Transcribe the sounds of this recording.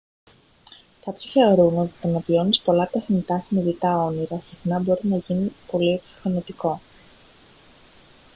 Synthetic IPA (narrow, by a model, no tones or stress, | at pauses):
kɐpçoçeoɾumeot̪it̪ɐnɐvio̞nispo̞lɐt̪exnit̪ɐsiniðit̪ɐo̞niɾɐsixnɐbo̞ɾinɐʝinipo̞liepi̥fɐnit̪iko̞